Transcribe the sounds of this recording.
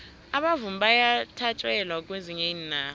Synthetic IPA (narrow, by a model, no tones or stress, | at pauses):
aɓavum̩ɓajatʰat͡ʃʼwɛlwak̬ʼweziɲeninaː